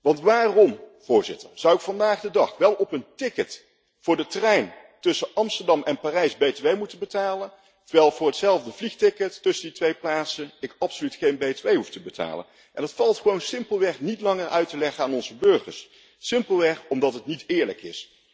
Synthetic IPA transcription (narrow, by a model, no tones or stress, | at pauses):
ʋɑntʋaːrɔmv̥ʊːɹzɪ̰təɹz̥ʌwɪkfɑndaːχdədɑχʋɛlˠɔpəntɪkət | fʊːɹdətərɛjn | tɵsəʔɑmstəɹdɑmɛnpaːrɛjzbejtəʋejmutənbətaːlən | təɹʋɛlˠvʊːɹɦətsɛlˠvdəvlixχtɪkətːɵsənditʋejplaːtsənɪkɑpsolytχejnbejtʋejɦuftəbətʰa̰ːlə̰n | ʔɛnətfɑlˠtχəʋownsɪmpəlˠʋɛχnitlɑŋəɹœɥtəlɛχəaːnɔnzəbɵɹχə̰ɹs | sɪmpəlˠʋɛχɔmdɑtɦətnitɪːɹləkɪ̰s